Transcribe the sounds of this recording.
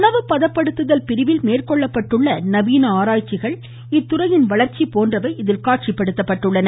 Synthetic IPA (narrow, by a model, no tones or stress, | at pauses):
nɐʋɯpːɐðɐpːɐɽɯt̪ːɯðɐlpɪɾɪʋɪlmeːrkɔɭːɐpːɐʈːɯɭːɐnɐbiːnɐaːɾaːjt͡ʃːɪɣɐɭ | ɪt̪ːʊrɐjɪnʋɐɭɐɾt͡ʃːipoːndrɐʋɐɪɪðɪlkaːʈʂɪpːɐɽɯt̪ːɐpːɐʈːɯɭːɐnɐ